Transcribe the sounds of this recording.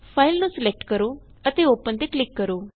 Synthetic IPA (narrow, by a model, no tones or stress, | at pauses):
pʰaːilnũːsɪlɛk̚ʈkəɾoː | ət̪eːoːpənt̪eːklɪkːəɾoː